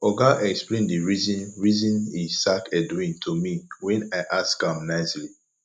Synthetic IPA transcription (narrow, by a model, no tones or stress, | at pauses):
ɔɡaʔɛksplẽndiɹizĩnɹizĩnisakɛduĩntʰomiwɛ̃naɪʔaskãmnaɪsli